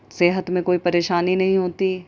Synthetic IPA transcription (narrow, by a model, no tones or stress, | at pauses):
seːɦət̪mẽkoːipɐɾeːʃaːninɐɦĩɦoːt̪iː